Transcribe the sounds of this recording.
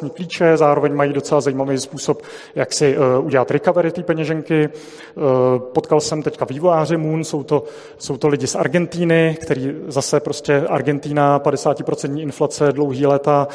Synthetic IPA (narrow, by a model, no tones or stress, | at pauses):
ɲikliːt͡ʃɛzaːɾo̞vɛɲmajiːdo̞t͡sɛlazajiːmavɛjspuːso̞p | jaksɪʔuɟɛlat̪ɾɪkavɛɾɪt̪iːpɛɲɛʒɛŋkɪ | po̞t̪kalsɛmt̪ɛckaviːvojaːr̝ɪmuːnso̞wt̪o̞ | so̞wt̪o̞lɪɟɪsʔa̰ɾɡɛnt̪iːnɪkt̪ɛɾiːzasɛpɾo̞scɛʔa̰ɾɡɛnt̪iːnapadɛsaːcɪpɾot͡sɛnt̪ɲiːʔɪnflat͡sɛdlowɦiːlɛːt̪a